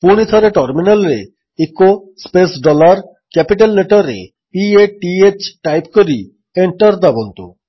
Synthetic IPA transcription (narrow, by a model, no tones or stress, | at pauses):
puɽ̃it̪ʰɔɾeʈaɾminelɾe | eko | spesɖɔlaɾ | kɛpiʈalːeʈaɾḛ | pieʈiet͡ɕʈajpkoɾi | eɳʈaɾd̪abont̪o̰